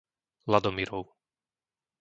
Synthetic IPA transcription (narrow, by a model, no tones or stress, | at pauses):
lad̪ɔmiɾɔʊ